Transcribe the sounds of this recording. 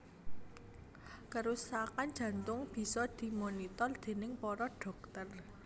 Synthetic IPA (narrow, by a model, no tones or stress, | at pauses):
kəɾusakan̥d͡ʒ̥ä̤nt̪ʊŋb̥i̤sɔd̪̥i̤monit̪ɔrd̪̥e̤nɪŋpɔɾɔɖ̥ɔ̤k̚t̪ər